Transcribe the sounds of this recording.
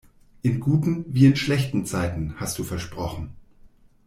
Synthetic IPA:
ʔɪnɡuːtn̩viːɪnʃlɛçtn̩t͡saɪtn̩hast̚d̥uːfɛɐʃpʁ̥ɔχn̩

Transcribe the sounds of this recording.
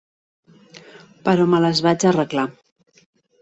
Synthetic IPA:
pəɾɔmələzβad͡ʒərəkla

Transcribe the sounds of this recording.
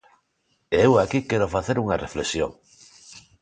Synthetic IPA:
eewakikeɾofaθeɾuŋareflesjo̰ŋ

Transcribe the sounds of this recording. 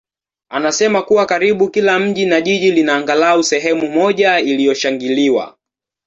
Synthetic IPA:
anasɛmakuwakaɾiɓukilam̩ʄinaʄiʄilinaːŋɡalausɛɦɛmumɔʄailijɔʃaŋɡiliwa̰

